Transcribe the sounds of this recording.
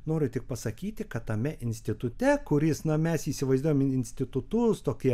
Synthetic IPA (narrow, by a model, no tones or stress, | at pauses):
noːɾʲʊt̪ʲɪk̚pɐsɐkʲiːt̪ʲɪkɐt̪tɐmʲɛʔɪnʲsʲt̪ʲɪt̪ʊt̪ʲɛkʊɾʲɪsnɐmʲɛsiːsʲɪʋɐɪzd̪uɔjɛmɪnʲsʲt̪ʲɪt̪ʊt̪ʊst̪oːkʲiɛ